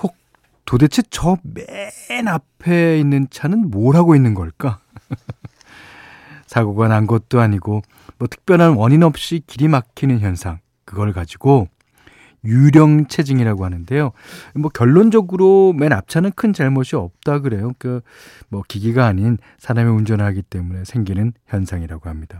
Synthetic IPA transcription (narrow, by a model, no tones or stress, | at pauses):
kʌk̚ | tode̞t͡ɕʰet͡ɕʌmenapʰe̞inːɯnt͡ɕʰanɯnmoɾɦaɡoinːɯnɡʌɭk͈a | sʰaɡoɡwananɡʌt̚t͈oaɲiɡo | mwʌtʰɯ̥k̚p͈jʌnɦanwʌɲinʌp̚ɕ͈ikiɾimakʰinɯnçjʌnsʰaŋ | kɯɡʌɭkad͡ʑiɡo | juɾjʌŋt͡ɕʰe̞d͡ʑiŋiɾaɡoɦanɯnde̞jo | mʌkjʌɭːond͡ʑʌɡɯɾomenap̚t͡ɕʰanɯnkʰɯnd͡ʑeɭmʌɕʰiʌp̚t͈aɡɯɾe̞joka | mʌkiɡiɡaːɲin | sʰaɾamiund͡ʑʌnɦaɡit͈e̞mune̞sʰe̞ŋɡinɯnçjʌnsʰaŋiɾaɡohamɲida